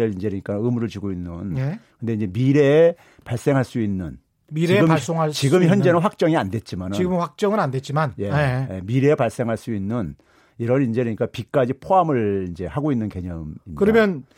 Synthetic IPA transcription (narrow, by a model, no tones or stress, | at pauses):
ɯind͡ʑe̞ɾɯɲik͈aɯmuɾɯɭt͡ɕuɡoinːɯnkɯnde̞ind͡ʑe̞miɾe̞ | paɭs͈e̞ŋɦaɭs͈uinːɯn | miɾieɯmaɭs͈oŋat͡ɕiɡɯmçjʌnd͡ʑe̞nɯnɸwak̚t͡ɕ͈ʌŋiande̞t̚t͡ɕ͈imanɯiɡɯmɸak̚t͡ɕ͈ʌŋɯɾandet͡ɕ͈imanje̞miɾe̞ːpaɭs͈e̞ŋɦaɭs͈uinːɯn | iɾʌnind͡ʑeɾɯɲik͈apik͈ad͡ʑipʰoɦamɯɭind͡ʑe̞haɡoinːɯnke̞ɲʌmiɲkɯɾʌmjʌn